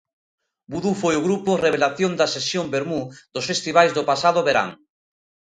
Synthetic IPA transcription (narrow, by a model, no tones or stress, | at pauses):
buðufojʊɣɾupʊreβ̞elaθjond̪asesjombeɾmud̪̥ʊsfest̪iβajzðopasaðʊβeɾa̰ŋ